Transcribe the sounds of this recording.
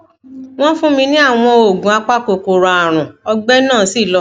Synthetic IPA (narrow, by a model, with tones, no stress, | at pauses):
w̃ɔ̃˦fũ˦mĩ˧nĩ˦a˦˨w̃ɔ̃˧o˨ɡũ˨˦a˧k͡pa˦ko˨ko˨ɾa˨a˨ɾ̃ũ˨ɔ˧ɡ͡bɛ˦nãː˦˨˦si˦˨lɔ˧